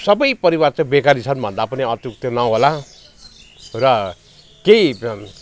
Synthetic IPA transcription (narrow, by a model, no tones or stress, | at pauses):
sʌbʌjpʌɾiwart͡sãbekaɾit͡sʰʌnbʱʌnd̪apʌniʌt̪juk̚t̪ʌnʌɦola | rʌ | kej